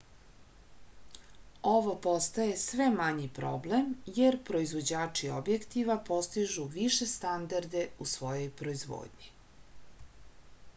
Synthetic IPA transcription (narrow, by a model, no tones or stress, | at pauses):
oʋopost̪aje̞sʋemaɲipɾoblemjeɾpɾo̞izvʋo̞d͡ʑaːt͡ʂiobjekt̪iʋapo̞st̪iʒuʋiʃest̪and̪aɾd̪e̞usʋo̞jo̞jpɾo̞izʋo̰ːd̪ɲi